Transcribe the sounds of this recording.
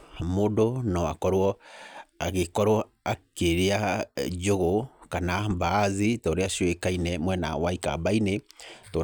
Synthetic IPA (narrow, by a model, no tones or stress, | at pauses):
modonɔa̰kɔɾwɔ | aɣekɔɾwɔ | akeɾead͡ʒoɣokanabaːzitoɾeaʃwekainɛmwɛna̰waika̰baineto